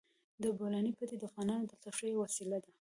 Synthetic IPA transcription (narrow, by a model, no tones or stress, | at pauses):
d̪əbolɑnipət̪ed̪əafɣɑnɑnod̪əɬaʂəjowasilad̪a